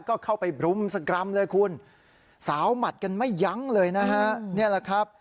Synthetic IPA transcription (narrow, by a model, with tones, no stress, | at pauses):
kɔː˥˩kʰa˥˩wpa˧jbɾu˧msa˧kɾa˧mlɤː˧jkʰu˧n | saː˩˦wma˨˩t̪̚ka˧nma˥˩jːa˦˥ŋlɤː˧jna˦˥ka˦˥ni˥˩əla˧˩kʰɾa˦˥p̚